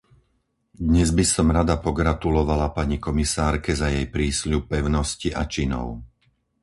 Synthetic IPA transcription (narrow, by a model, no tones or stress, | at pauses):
d̪ɲɛzbisɔmɾad̪apɔɡɾat̪ulɔʋalapaɲikɔmisaːɾkɛzajɛjpɾiːsʎupːɛʊnɔsciʔat͡ʃinɔ̰ʊ